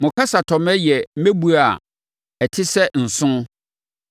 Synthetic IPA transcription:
mʊ̃˨kʰa˦sa˨tʰɔ˨mɛ˦jɛ˨m̩˦mẽ˦bu˨a˨ | ɛ˨tʰɪ˦sɛ˦n̩˨sʊ̃˦

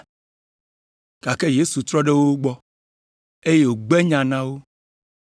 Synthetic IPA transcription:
ka˨ke˦je˦su˨t̪ɾɔ˦ɖe˦wo˦ɡ͡bɔ˦ | e˦je˦wo˨ɡ͡bɛ˦ɲã˨nã˦wo˦

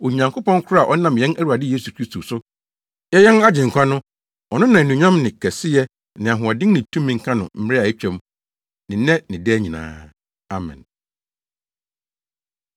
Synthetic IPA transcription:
o˨ɲã˨ŋkʰo˦pɔ̃˦ŋ˦kʰʊ˦ɾa˨ʔɔ˦nã˨mjɛ̃˦næ˦ɾu˨a˨dɪ˦je˦su˨kʰɾi˦stʰo˨sʊ˦ | jɛ˦jɛ˦na˦d͡ʑɪ̃˨ŋ̩˨kʷʰa˦nʊ̃˦ | ɔ˨nʊ̃˦nã˨nũ˨ɲᶣã˦mnɪ̃˨kʰɛ˨sɪ˦jɛ˦ | nɪ̃˨a˨ɦʊ̃˨ɔ˨dɪ̃˦ŋnɪ̃˨tʰũ˦mĩ˨ŋ̩˦kʰã˦nʊ̰̃˨m̩˦m˦ɾɪ˦a˨e˦t͡ɕᶣɛ̃˦m˦ | nɪ̃˨nɛ̃˦nɪ̃˨dɛ˦æ˦ɲĩ˨nã̰ː˦ | a˨mɛ̰̃˨n

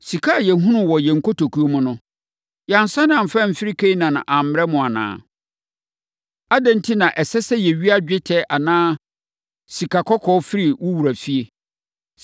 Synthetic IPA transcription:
si˨kʰa˦˨jɛ˨˦ɦũ˦nʊ̃˦˨wɔ˨jɛ˨ŋ̩˨kʰo˦tʰo˨kʰu˦o˦mʊ̃˦nʊ̃˦ | ja˨n˨sã˦nã˨m˨fɛ̃˦m̩˨fɪ˦ɾi˦kʰe˦i˦nã˨ñ̰˨ʔa˨m̩˨˦ɾɛ˦mʊ̃˨a˨nã̰ː˦˨ | a˦dɛ̃˦n̩˦tʰi˦nã˨ʔɛ˨sɛ˦sɛ˦jɛ˨ɥi˦a˦d͡ʑᶣɪ˦tʰɛ˦ʔa˨nãː˦ | si˨kʰa˨kʰɔ˦kʰɔː˦fɪ˦ɾi˨wʊ˦wu˨ɾa˨fi˦e˦

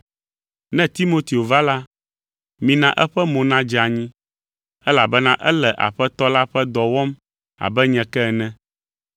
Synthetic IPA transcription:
nɛ̃˦t̪i˦mo˦t̪i˨o˨va˦la˦ | mĩ˨nã˦ʔɛ˦ɸɛ˦mɔ̃˨nã˦d͡ʒa˨ɲĩ˦ | ɛ˦la˨bɛ˦nã˦ʔɛ˦lɛ˨ʔa̰˨ɸɛ˦t̪ɔ˦la˦ɸɛ˦d̪ɔ˨wɔ˦m | a̰˨bɛ˦ɲɛ̃˨kɛ˦˨nɛ̃˦

